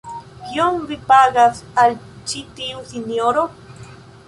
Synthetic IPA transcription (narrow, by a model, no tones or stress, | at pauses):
kjoŋɾipaɡasal | t͡ʃit̪iwsinjoɾo